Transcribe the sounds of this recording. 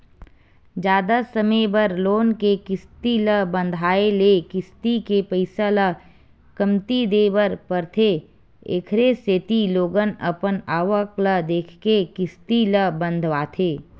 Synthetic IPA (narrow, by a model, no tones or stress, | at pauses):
d͡ʒjaːd̪asəmebəɾloːnkekɪst̪iləbə̃nd̪ʱaːelekɪst̪ikepəɪsalə | kəmt̪id̪eːbəɾpəɾt̪ʰe | ḛkʰɾeseːt̪iloːɡənəpənaːʋəkləd̪eːkʰkekɪst̪iləbə̃nd̪ʱʋaːt̪ʰeː